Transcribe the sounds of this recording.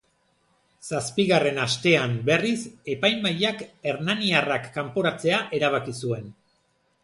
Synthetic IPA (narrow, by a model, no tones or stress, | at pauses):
saspiɣare̞nast̪e̞ambe̞rise̞pajmbajake̞ɾnaniarakːampo̞ɾat͡se̞aʔe̞ɾaβ̞akisue̞n